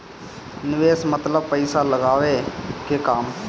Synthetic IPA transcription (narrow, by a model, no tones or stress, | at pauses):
nɪʋeːsmət̪ləb̚pəɪsaːləɡaːʋeːkeːkaːm